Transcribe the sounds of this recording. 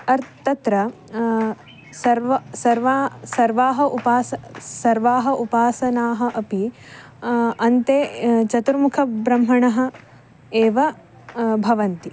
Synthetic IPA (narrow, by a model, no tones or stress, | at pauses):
ɐɾt̪ɐt̪ɾɐ | sɐɾʋɐsɐɾʋaːsɐɾʋaːɦɐʔupaːsɐsɐɾʋaːɦɐʔupaːsɐnaːɦɐ̆ʔɐpi | ɐnt̪eːt͡ʃɐt̪uɾmukʰɐbɾɐmɦɐɳɐɦɐ̆ | eːʋɐ | bʱɐʋɐnt̪i